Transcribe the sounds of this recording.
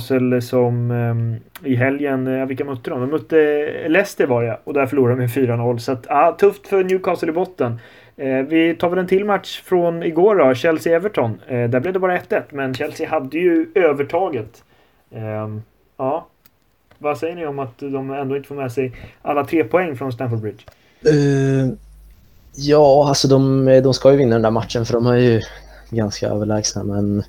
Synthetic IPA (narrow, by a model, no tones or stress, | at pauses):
səlsɔm | ɪɦɛljənjavɪlkːamœt̪ːəd̪ɔmd̪ɔmːœt̪ːəlɛːst̪ɛvɑːɾjaɔd̪æɾfœɭuːɾad̪ɔmjfyːɾanɔlːsat̪aːt̪ʰɵft̪fœɾnjʉːkʰɑːsəlɪbɔt̪ːən | vɪt̪ʰɑːvɛlɛnt̪ʰɪlːmat̪ʂfɾɔnɪɡoːɖɔɕɛlsɪɛvəʈʰɔnd̪æblɛvd̪ɛbɑːɾaɛt̪ːɛt̪ːmɛnɕɛlsɪhad̪ːəjɵøːvəʈʰɑːɡət̪ | ɑː | vasɛjːəɳɪɔmat̪d̪ɔmɛnd̪oːɪnt̪əfoːɾmɛːsɛjʔalːat̪ʰɾeːpʰɔɛŋːfɾɔnst̪ænfɔd̪̚bɾɪd̪ʂ | ɛ | jɑːalsɔd̪ɔmd̪ɔmskɑjɵvɪnːad̪ɛnd̪æːɾmat̪ʂənfœɖɔmaɾjɵ | ɡanska̰ø̰ːvəɭɛːɡsa̰mɛn